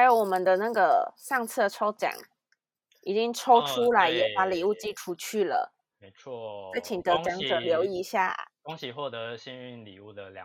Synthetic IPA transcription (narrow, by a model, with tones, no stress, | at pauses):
a˧˥jo˧˥ʊwɔ˨˩mə˦nd̪ə˧na˥˩ɡə˩ʂɑ˥˩˧ŋt͡sʰɹ̩˥˩d̪ə˩ʈ͡ʂʰo˥ʊt͡ɕja̰˨˩˦ŋ | i˨˩t͡ɕi˥ŋʈ͡ʂʰo˥ʊʈ͡ʂʰu˥la˧˩ɪjɛ˨˩pa˧˥li˨˩u˥˩t͡ɕi˥ʈ͡ʂʰu˧˥t͡ɕʰy˥˩lə̰˩ | me˧˦ɪt͡sʰwɔ˥˩t͡sɛ˧˥ɪt͡ɕʰi˨˩ŋt̪ɤ˧˦˥t͡ɕjɑ˧˥ŋɤ˨˥ljo˧˥ʊi˧˥ɕja̰˥˩t̪ʊ˥ŋɕi˨˩xwɔ˥˩t̪ə˧˥˦ɕi˥ny˥˩nlḭ˨˩u˥˩d̪ə˩lj̰